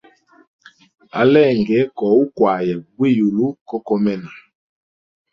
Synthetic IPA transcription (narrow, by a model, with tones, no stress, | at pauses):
a̰˨˦lɛ˦˨ŋɡɛ˨˦kɔ˨u˦kwa˨ja˨ɡwe˦˨ju˨lu˦kɔ˦kɔ˦mɛ˦na˨